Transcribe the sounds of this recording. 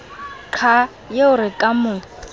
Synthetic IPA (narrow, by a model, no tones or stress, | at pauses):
t͡ɬʰa | jeʊɾɪkʼamʊ